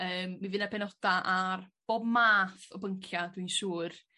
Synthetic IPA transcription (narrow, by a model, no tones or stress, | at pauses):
əːmːivɨnapʰɛnɔd̥aʔarb̥oːbmaːθɔbəŋkʰjadwinʃuːr